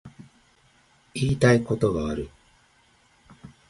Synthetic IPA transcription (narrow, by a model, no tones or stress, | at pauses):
iːt̪aiko̞t̪o̞ɡaːɾɯ̟